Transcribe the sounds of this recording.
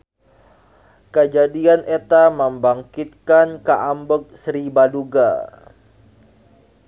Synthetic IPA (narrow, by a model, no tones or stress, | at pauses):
kəd͡ʒadianʔet̪aməmbaŋkit̪̚kankəʔambʊk̚sɾibaduɡa